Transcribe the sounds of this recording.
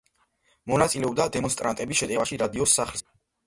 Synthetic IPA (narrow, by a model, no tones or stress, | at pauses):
mɔnat̪sʼilɛɔb̚d̪ad̪ɛmɔnst̪ʼɾa̰nt̪ʼɛbisʃɛt̪ʼɛvaʃiɾad̪iɔsːaχls